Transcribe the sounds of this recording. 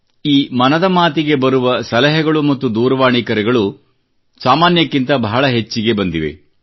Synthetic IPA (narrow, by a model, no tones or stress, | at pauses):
iːmɐnɐd̪ɐmaːt̪iɡe̞bɐɾuʋɐsɐlɐɦɐɡɐɭumɐt̪ːud̪uːɾɐʋaːɳikɐɾɛɡɐɭu | saːmaːnjɐkːint̪ɐbʱɐɦɐɭɐɦet͡ʃːiɡe̞bɐnd̪iʋe̞̰